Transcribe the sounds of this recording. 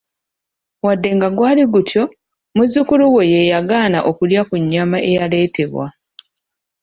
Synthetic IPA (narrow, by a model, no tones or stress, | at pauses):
wadːe̞ŋɡaɡwaːliɡutʰjo̞ | muzukuluwo̞je̞jaɡaːna̰ʔo̞kuljakuɲːamaʔe̞jale̞ːte̞βwa̰